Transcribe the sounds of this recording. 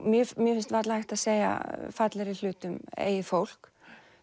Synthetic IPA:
mjɛmjɛfɪnst̪vaɾt̪lajxt̪aðseːja̰fat̪lɛɾɪl̥ʏːt̪ʏmḛːjɪfowl̥k

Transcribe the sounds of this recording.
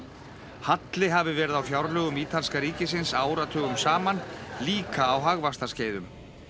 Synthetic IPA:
hat̪lɪɦavɪvɛːɾɪðawfjawɾlœːɣʏmiːt̪ʰanskaɾiːcɪsɪnsaːwɾat̪ʰœːɣʏmsaːmanliːkaːwɦaɣvast̪asceːjðʏm

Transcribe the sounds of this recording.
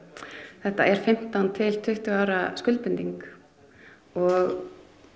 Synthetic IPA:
θɛht̪a̰ɛɾ̥fɪm̥t̪ant̪ʰɪlt̪ʰʏht̪ʏaːwɾaskʏlpʏnt̪iŋk | ɔɣ

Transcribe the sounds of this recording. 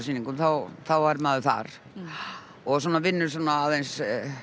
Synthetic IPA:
sinːiŋkʏnθawθawaɾmaːðʏθa̰ɾ̥ | ɔɣs̬ɔːnavɪnːʏɾ̥s̬aːnaːðejns

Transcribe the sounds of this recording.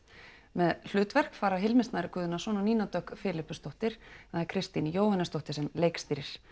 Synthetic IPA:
mɛðl̥ʏːt̪vɛr̥kfaːɾaɦɪlmɪnst̪naɾɪkʰʏːðʏnasɔːnɔniːnat̪œkfɪːlɪpːʏst̪owht̪ɪɾ̥θaðɛɾkʰɾɪst̪injoːwhanːɪst̪owht̪ɪ̥ɾ̥sɛmlejkst̪iːɾɪɾ̥

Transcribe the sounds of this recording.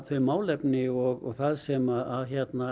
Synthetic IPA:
θœɥmaːwlɛpnɪɔɣɔɣθaðsɛmaaðçjɛt̪na

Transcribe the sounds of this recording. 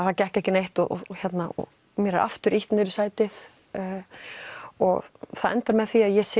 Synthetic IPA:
θacɛhcɛhcɪnejht̪ɔ̰çjɛt̪naɔ̰ | mɛːɾɪʔa̰ft̪ʏɾʔiht̪nɪɾɪ̥saːjt̪ɪθ | ɔɣθaðɛnt̪aɾmɛðθiaðjɛsɪ

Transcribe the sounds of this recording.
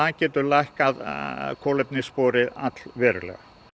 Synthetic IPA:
acɛːt̪ʏɾlajhkaðkʰɔːlɛpnɪspɔːɾɪðat̪l̥vɛːɾʏlɛ̰ɣa

